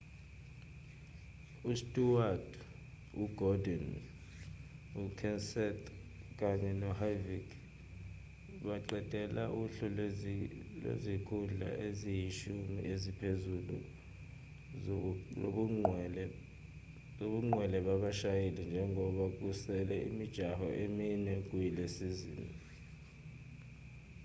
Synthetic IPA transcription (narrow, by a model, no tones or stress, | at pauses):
ustʼuwad | uɡ̥ɔdɔn | ukʰɛnsɛtʰ | k̬ʼaɲɛnɔhavikʰ | ɓaǃɛd̥ʼʱɛla̰ʔuɬɔ | lwḛzikʰuɮa̰ʔezijiʃumḭʔezipʰezulṵ | oɓuŋ͡ǃwɛlɛɓaɓaʃajelɛnd͡ʒʱɛŋɔɓak̬usɛlɛḭmid̥ʒ̥ʱaɦɔʔeminɛk̬ʼujilesizḭːni